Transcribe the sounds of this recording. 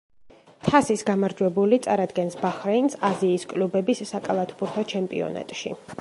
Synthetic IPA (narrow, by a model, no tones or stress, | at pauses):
t̪ʰasisɡamaɾd͡ʒwɛbulit̪sʼaɾad̪ɡɛnsbaχɾɛinsaziːskʼlubɛbisːakʼalˠat̪ʰbuɾt̪ʰɔt͡ʃʰɛmpʼḭɔ̰na̰t̪ʼʃḭ